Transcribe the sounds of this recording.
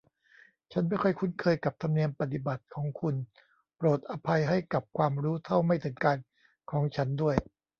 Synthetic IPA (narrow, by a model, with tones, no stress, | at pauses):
t͡ɕʰa˦˥nma˥˩jkʰɔ˥˩jkʰu˧˥nkʰɤː˧jka˨˩p̚t̪ʰa˧mni˧əmpa˧t̪i˨˩ba˨˩t̪̚kʰɔː˩˦ŋkʰu˧n | pɾoː˨˩t̪̚ʔa˧pʰa˧jɦa˥˩jka˨˩p̚kʰwaː˧mɾuː˦˥t̪ʰa˥˩wma˥˩jt̪ʰɯ˩˦ŋkaː˧n | kʰɔː˩˦ŋt͡ɕʰa˦˥ndu˥˩əj